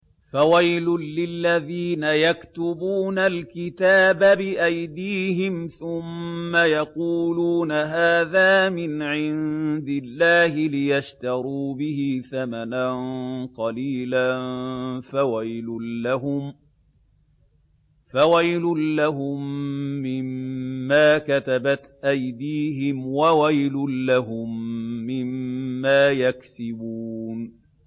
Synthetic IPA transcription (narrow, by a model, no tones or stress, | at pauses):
fawajlʊːɪlːaðiːnajakt̪ʊbuːnalkɪt̪aːbabɪʔajd̪iːɦɪmθʊmːajɑquːluːnaɦaːðaːmɪnʕɪnd̪ɪlːaːhɪlɪjaʃt̪ɑɾuːbɪhiθamananqɑliːlanfawajlʊːaɦʊm | fawajlʊːaɦʊmːɪmːaːkat̪abat̪ʔajd̪iːɦɪmwawajlʊːaɦʊmːɪmːaːjaksɪbuːn